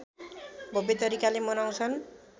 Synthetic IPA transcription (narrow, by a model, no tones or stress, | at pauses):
bʱobet̪ʌɾikalemʌnaw̃t͡sʰʌn